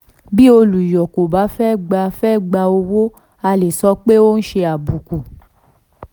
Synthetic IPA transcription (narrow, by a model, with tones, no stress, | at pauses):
bi˦o˧lu˨jɔ˨ko˨ba˨˦fɛ˦˨ɡ͡ba˧fɛ˦˨ɡ͡ba˧o˧wo˦ | a˧le˨sɔ˦k͡pe˦o˦n̩˦ʃe˧a˨bu˨ku˨